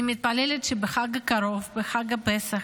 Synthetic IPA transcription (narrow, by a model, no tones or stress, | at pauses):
imit̪̚palelet̪ʃebeχaɡakaɾo̞vbeχaɡapesa